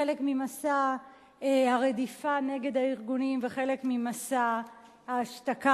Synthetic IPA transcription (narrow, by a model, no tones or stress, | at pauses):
elekmimasa | ehaʁe̞difane̞ɡe̞daiʁɡunimveχe̞le̞kmimasa | haːʃtaka